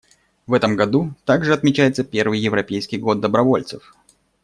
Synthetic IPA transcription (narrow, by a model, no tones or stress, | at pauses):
vɛt̪əmɡɐd̪ut̪aɡʐɨɐt̪mʲɪt͡ɕæjɪt̪səpʲe̞rvɨjːɪvɾɐpʲejskʲɪjɡo̞d̪ːəbɾɐvo̞lʲt̪sɨf